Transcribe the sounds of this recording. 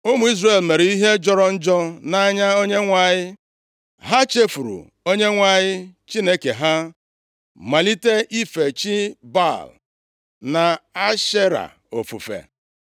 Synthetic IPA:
ʊ˦mu˨˦i˦zre˨lme˨ɾe˨i˦ɦe˦d͡ʒɔ˦ɾɔ˦n̩˦d͡ʒɔ˦na˦ɲa˦o˦ɲe˦ŋʷa˨ɲɪ˦ | ɦa˦t͡ʃe˦fu˨ɾṵ˨ | o˦ɲe˦ŋʷa˨ɲɪ˦t͡ʃi˦ne˦ke˨ɦa˦ | ma˨li˦te˦ʔi˦fe˨t͡ʃi˦ba̰˦˨l | na˨a˦ʃe˦ɾa̰˨ | o̰˨fṵ˨fḛ˨

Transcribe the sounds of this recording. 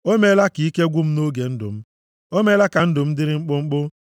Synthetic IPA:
o˦me˦la˦ki˨˦i˦ke˦ɡʷu˦m̩˦no˦ɡe˨n̩˦dʊ̰˨m̩˦ | o˦me˦la˦ka˨n̩˦dʊ˨m̩˦dɪ˦ɾɪ˦ŋ͡m̩˦k͡pʊ˦ŋ͡m̩˦k͡pʊ˦

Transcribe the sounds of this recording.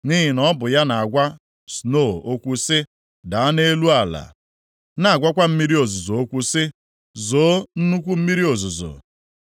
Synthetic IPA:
ni˦ɦi˨nɔ˦bʊ˨ja˦na˨a˨ɡʷa˦ | sno˦˨o˦kʷu˦sɪ˦ | da˨a˦ne˦lu˦a˨la̰˨ | na˨a˨ɡʷa˦kʷa˦m̩˦mi˦ɾi˦o˨zʊ˨zo˨o˦kʷu˦sɪ˦ | zoː˨˦n̩˦nu˦kʷu˦m̩˦mi˦ɾi˦o˨zʊ˨zʊ̰˨

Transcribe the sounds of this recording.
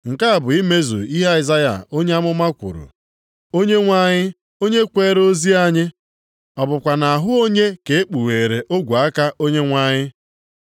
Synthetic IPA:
ŋ̩˨ka˦a˨bʊ˨i˦me˦zṵ˨i˦ɦa˦i˨za˦ja̰˨o˦ɲe˦a˦mʊ˦ma˦kʷʊ̰˨ɾʊ̰˨ | o˦ɲe˦ŋʷa˦ɲɪ˦ | o˦ɲe˦kʷeː˦ɾo˦zi˦a˦ɲɪ˦ | ɔ˨bʊ˨kʷa˨na˨a˨ɦʊ˦o˦ɲe˦ke˨e˦k͡pu˨we˨ɾe˨ʔo˦ɡʷu˨a˦ka˦ʔo˦ɲe˦ŋʷa˦ɲɪ˦

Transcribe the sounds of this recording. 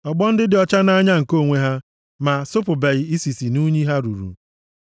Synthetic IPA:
ɔ˨ɡ͡bɔ˦n̩˦dɪ˦dɪ˨ɔ˦t͡ʃa˦na˦ɲa˦ŋ̩˨ko˦˨ŋʷe˦ɦa˦ | ma˨sʊ˦pʊ˨be˨ɣɪ˨i˦si˨si˨nu˦ɲi˦ɦa˦ɾṵ˨ɾṵ˨

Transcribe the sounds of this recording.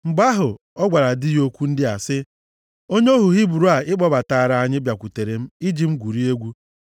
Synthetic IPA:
ŋ͡m̩˨ɡ͡ba˦ɦʊ˨ | ɔ˦ɡʷa˨ɾa˨dɪ˦jo˦kʷu˦n̩˦dɪ˦a˨sɪ˦ | o˦ɲe˦o˦ɦu˨ɦi˦bu˨ɾu˨˦a˨ɪ˦k͡pɔ˦ba˨ta˨ɾa˨a˨ɲɪ˦bja˨kʷu˨te˨ɾe˨m̩˦i˦d͡ʒi˦m̩˦ɡʷu˨ɾi˦e˦ɡʷu˦

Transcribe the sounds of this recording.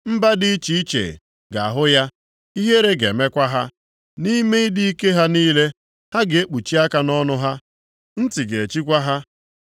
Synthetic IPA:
m̩˦ba˦dɪ˦i˦t͡ʃi˨i˦t͡ʃḛ˨ | ɡa˨a˨ɦʊ˦ja˦ | i˦ɦe˦ɾe˦ɡe˨me˦kʷa˦ɦa˦ | ni˦me˦i˦dɪ˦i˦ke˦ɦa˦niː˦le˦ | ha˦ɡe˨e˦k͡pu˨t͡ʃi˦a˦ka˦nɔ˦nʊ˦ɦa˦ | n̩˦ti˨ɡe˨e˨t͡ʃi˦k̬ʷa˦ɦa˦

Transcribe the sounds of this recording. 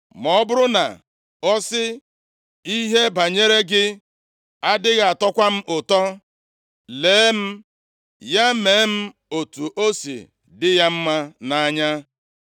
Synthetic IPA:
mɔ˨˦bʊ˦ɾʊ˦na̰˨ | ɔ˦sɪ˦ | i˦ɦe˦ba˨ɲe˦ɾe˦ɡɪ˦ | a˦dɪ˦ɣa˨a˨tɔ˦kʷa˦m̩˦ʔʊ˨tɔ˦ | leː˨˦m̩˦ | ja˦meː˨˦m̩˦ | o˨tu˨ʔo˦sḭ˨ | dɪ˦ja˦m̩˦ma˦na˨a˦ɲa˦

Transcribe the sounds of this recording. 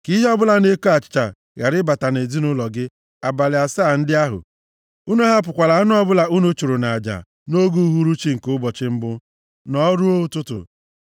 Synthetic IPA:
ki˦ɦɔ˦bʊ˦la˨ne˦ko˦a˨t͡ʃɪ̥˨˦t͡ʃa̰˨ | ja˨ɾɪ˦ba˨ta˨ne˨zi˦nʊ˦lɔ˨ɡɪ˦ | a˨ba˨lɪ˨a˨sa˦˨n̩˦dɪ˦a˦ɦʊ̰˨ | u˦nu˦ɦa˦p̬ʊ˨kʷa˨la˨˦n˦ɔ˦bʊ˦la˨u˦nu˦t͡ʃu˨ɾu˨na˨a˨d͡ʒa̰˨ | no˦ɡu˦ɦu˦ɾu˦t͡ʃi˦ŋ̩˨kʊ˦bɔ˨t͡ʃɪ˦m̩˦bʊ˦ | nɔ˦ɾu˦o˦u˦tʊ˦tʊ̰˨

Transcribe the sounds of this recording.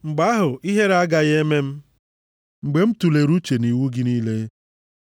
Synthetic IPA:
ŋ͡m̩˨ɡ͡ba˨˦ɦʊ˨ʔi˦ɦe˦ɾa˦ɡa˨ɣe˦me˦m̩˦ | ŋ͡m̩˨ɡ͡be˨m̩˦tu˨le˨ɾu˦t͡ʃe˨ni˨wu˦ɡɪ˦niː˦le˦

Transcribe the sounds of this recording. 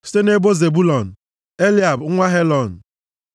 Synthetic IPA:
si̥˦te˦ne˦bo˦ze˨bu˦lɔ˨n̩˨ | e˦li˦˨a˨b̩˨˦ŋʷa˦ɦe˦lɔ˨n̩˨

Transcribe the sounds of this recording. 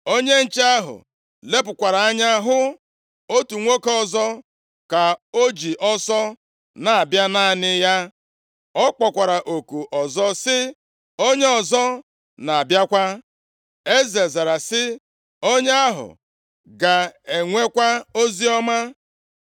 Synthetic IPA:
o˦ɲe˦n̩˨t͡ʃe˦a˦ɦʊ̰˨ | le˦p̬ʊ˨kʷa˨ɾa˨a˦ɲa˦ɦʊ˦ | o˦tu˨ŋʷo˦kɔ˨zɔ˦ | ka˨o˦d͡ʒi˨ʔɔ˦sɔ˦ | na˨a˨bja˦na˦˨nɪ˦ja˦ | ɔ˦k͡pɔ˨kʷa˨ɾa˨ʔo˨ku˨ʔɔ˨zɔ˦sɪ˦ | o˦ɲe˦ɔ˨zɔ˦ | na˨a˨bja˦kʷa˦ | e˦ze˨za˨ɾa˨sɪ˦ | o˦ɲe˦a˦ɦʊ̰˨ | ɡa˨e˨ŋʷe˦kʷa˦o˦zi˦ɔ˦ma˦

